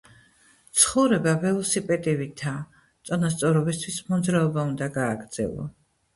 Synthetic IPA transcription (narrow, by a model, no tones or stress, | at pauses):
t̪sʰχɔvɾɛbavɛlɔsipʼɛt̪ʼivit̪ʰa | t̪sʼɔnast̪sʼɔɾɔbist̪ʰwismɔd̪zɾaɔbaund̪aɡaːɡɾd̪z̥ɛ̰lˠɔ̰